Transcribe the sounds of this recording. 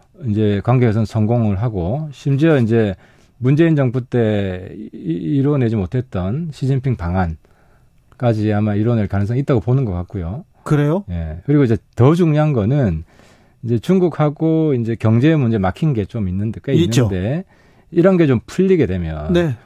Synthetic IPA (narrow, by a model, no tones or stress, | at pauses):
ind͡ʑe̞kwaŋɡees̬ʰʌɯnsʰʌŋɡoŋɯɭɦaɡoɕʰimd͡ʑiʌind͡ʑe̞ | mund͡ʑe̞ind͡ʑʌŋbut͈e̞ | iɾone̞d͡ʑimotʰe̞t̚t͈ʌnɕʰid͡ʑinpʰiŋpaŋan | k͈ad͡ʑiamaiɾonɯɭkanɯŋsʰʌŋit͈aɡoponɯnɡʌk͈ak̚k͈ujo | kɯɾejoje̞kɯɾiɡoid͡ʑe̞tʌd͡ʑuŋɲiɦanɡʌnɯn | ind͡ʑe̞t͡ɕuŋɡuk̚haɡoind͡ʑe̞kjʌŋd͡ʑe̞mund͡ʑe̞makʰinɡe̞t͡ɕominːɯndek͈einːɯode̞ | iɾʌnɡe̞t͡ɕompʰuʎːiɡe̞dwemjʌnne